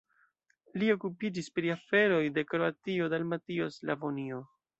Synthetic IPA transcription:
lio̞kupid͡ʒispɾiafe̞ɾo̞jde̞kɾoatio̞dalmatio̞sla̰vonio

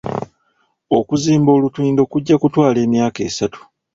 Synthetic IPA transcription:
okuziːmbo̞ːlutwiːndo̞kuɟːakutwaːle̞ːmjaːke̞ːsatu̥

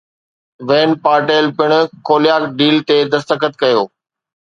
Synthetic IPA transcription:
ʋeːnpaːɾʈeːlpɪɽ̃ʊkʰoːlɪjaːkɖiːlt̪ed̪ɐst̪əkət̪̚kɐjoː

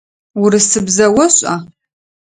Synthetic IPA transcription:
wʊɾɨsɨbzɐwɐɕʼa

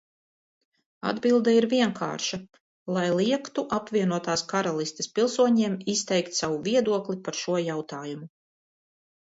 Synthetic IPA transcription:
a̰d̪bilˠd̪ɛiɾviɛŋkʰa̰ːɾʃa | lˠajlˠiɛkt̪uʔapvʲiɛnuɔt̪aːskaɾalˠist̪e̥spilˠsuɔɲeɛːmist̪ɛjkt̪sawuviɛd̪uɔklˠipaɾʃuɔjawt̪aːjumu

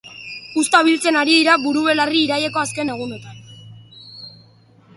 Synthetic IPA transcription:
ust̪aβilt͡se̞naɾiðiɾaβuɾuβe̞lariːɾaje̞ko̞aske̞ne̞ɣ̞une̞t̪an

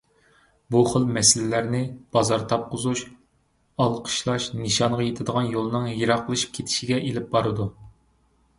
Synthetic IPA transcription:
buχəlˠmɛsɪlɪlæɾnɪb̥ɑzɑɾt̪ʰɑp̚qʰʊzuʃ | ɑlˠqʰə̥ʃlˠɑʃnɨʃɑɴʁɑjet̪ʰɪd̪əʁɑnjolˠɨnɨŋjɨɾɑqʰːəlˠɨʃi̥p̚kʲʰet̪ʰɪ̥ʃiɡʲɛʔelɪp̚bɑɾɨd̪u

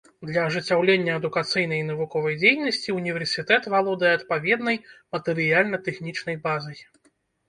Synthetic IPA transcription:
d̪lʲɐɐʐɨt͡sʲːawlʲenʲːɐɐd̪ukat̪sɨjnɐjnɐvukɔvɐjd͡zʲejnɐsʲt͡sʲiunʲivʲɛrsʲit̪ɛt̪valˠɔd̪ɐjɛɐt̪pavʲɛd̪nɐjmɐt̪ɛɾɨjalʲnɐt̪ɛxnʲit͡ʂnɐjbazɐj

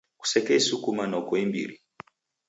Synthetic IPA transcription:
ku̥sɛkɛisukumanaukɔimbḭɾi

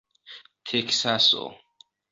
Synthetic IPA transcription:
t̪ʰekʰsasɔ̰

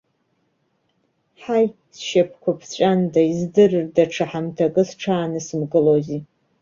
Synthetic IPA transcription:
ħaj | sʃapʰkʷʰapʰt͡ɕʷʼandaizdɨrɨrdaʈ͡ʂʰaħamtʰakʼɨsʈ͡ʂʰaːnɨsɨmɡɨlozi

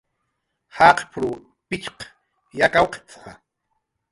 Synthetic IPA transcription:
haːqpʰɾu | pɪt͡ʃq | jakawqe̥t͡sa̰

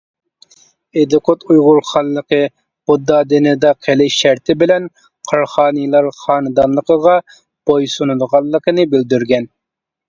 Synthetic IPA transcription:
ed̪ʊkʰot̪ujʁʊɾχɑlːˠəqə | b̥ʊd̪ːɑd̪ɪnɪd̪ɑqʰelɪʃæɾt̪ʰɪbɪlɛn | qʰɑɾχɑːnɨlˠɑɾχɑːnɨd̪ɑnlˠəqəʁɑ | b̥ojsunud̪əʁɑlˠːəqənɨbɪld̪yɾɡʲɛn

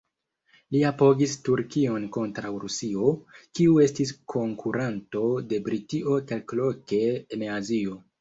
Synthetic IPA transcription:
liapo̞ɡistuɾkio̞nko̞ntɾawɾusio̞kiue̞stiskʰo̞ŋkʰuɾanto̞de̞bɾitio̞kalklo̞ke̞ːnazio̞

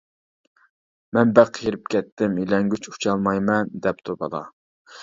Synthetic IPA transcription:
mɛnbæqjiɾɪp̚kʲʰɛt̪ːɪmilɛŋɡʲyt͡ʃu̥t͡ʃʰɑlˠmɑjmɛnd̪ɛp̚t̪ʰubɑ̰lˠɑ̰

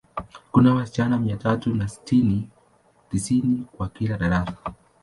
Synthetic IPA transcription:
kunawasi̥t͡ʃanamiatatunasi̥tʰini | tisinikwakilaɗaɾasḁ

